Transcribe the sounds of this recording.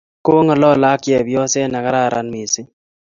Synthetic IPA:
ko˦ŋɔ˨lɔ˦la˦kjɛ˨bjɔ˦sɛ˦na˨ka˦ɾa˦˨ɾa̰˨nmi˨sɪ˦

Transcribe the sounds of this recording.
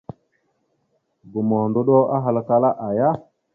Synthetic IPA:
ɡu˨mɔ˨ndo˦ɗo˦a˦ɦa˨lka˦la˦ʔa˨ja˦

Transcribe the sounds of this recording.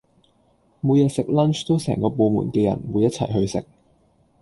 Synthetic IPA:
muː˨˧jɛː˨˧sɪ˨k̚lɐ˥nt͡ʃt̪o˥wsɛ̰ː˨˩ŋkɔː˧po˨˧mṵː˨˩nkɛː˧jɐ̰˨˩nmwuː˨˧jɐ˥t̚t͡sʰɐ̰˨˩jɦɵ˧ɥsɪ̰˨k̚

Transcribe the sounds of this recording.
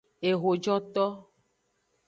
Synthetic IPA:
e˨ɣo˨d͡ʒɔ˦t̪ɔ˦

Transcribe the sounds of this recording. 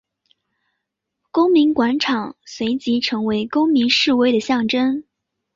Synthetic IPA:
kʊ˥ŋmi˧˥ŋkwa˧˥nʈ͡ʂʰɑ˨˩ŋswe˧˥ɪt͡ɕi˧˥ʈ͡ʂʰɤ˧˥ŋwe˧˥ɪkʊ˥ŋmi˧˥ŋʂɻ̩˥˧we˥˩ɪd̪ə˩ɕjɑ˥˩ŋʈ͡ʂə˥n

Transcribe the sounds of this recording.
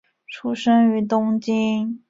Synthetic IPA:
ʈ͡ʂʰu˥ʂə˥ŋy˧˥t̪ʊ˥ŋt͡ɕi˥

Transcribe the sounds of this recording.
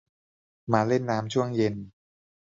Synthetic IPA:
maː˨˧le˥˩nːaː˦˥mt͡ɕʰu˥˩əŋje˧n

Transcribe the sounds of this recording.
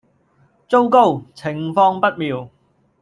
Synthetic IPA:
t͡so˥wko˥wt͡sʰɪ˨˩ŋfɔː˧ŋpɐ˥t̚miː˨˧w

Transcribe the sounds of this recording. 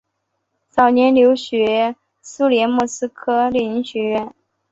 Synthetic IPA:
t͡sɑ˨˩ʊnjɛ˧˥nljo˧˥ʊɕɥɛ˧˥ | su˥ljɛ˧˥nmu˥˩sɹ̩˥kʰɤ˥lɛ˥˩ni˧˥ŋɕɥɛ˧˥ɥɛ˥˩n

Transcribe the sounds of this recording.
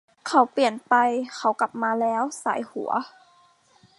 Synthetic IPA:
kʰa˧˩wpli˨˩ənpa˧jxʰa˧˩wka˨˩p̚maː˧lɛː˦˥˨wsa̰ː˨˩˦jhu˨˩˦ɐ

